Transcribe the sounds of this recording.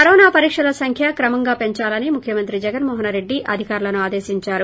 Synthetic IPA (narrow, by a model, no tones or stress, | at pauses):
kɐɾoːnaːpɐɾiːkʂɐlɐsɐŋkʰjakɾɐmɐŋɡaːpe̞ɲt͡ʃaːlɐnimukʰjɐmɐnt̪ɾid͡ʒɛɡɐnmɔːɦɐnɾe̞ɖːiʔɐ̰d̪ʱikaːɾulɐnuaːd̪eːsiɲt͡ʃaːɾu